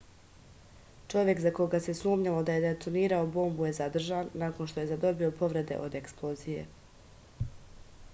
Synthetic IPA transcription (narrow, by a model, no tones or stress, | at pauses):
t͡ʃo̞ʋje̞kzako̞ɡase̞suːmɲalo̞d̪aje̞d̪et̪oniːɾaobo̞ːmbuje̞zad̪r̩ʒanːaːko̞nʃt̪o̞je̞zad̪o̞bio̞po̞ʋɾe̞d̪e̞̰ʔo̞d̪eksplˠozije̞